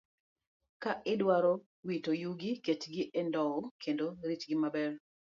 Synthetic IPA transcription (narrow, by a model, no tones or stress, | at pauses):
kaʔɪdwaɾɔ | witojuɡɪketɡɪʔɛndɔwɔkʰendoɾit͡ʃɡɪmabɛr